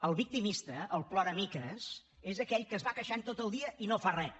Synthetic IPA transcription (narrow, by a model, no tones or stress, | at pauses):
əlˠβik̚t̪imist̪əːlˠplɔɾəmikəs | ezəkɛʎkəzβakəʃant̪ot̪əlˠd̪iəʔinofarɛ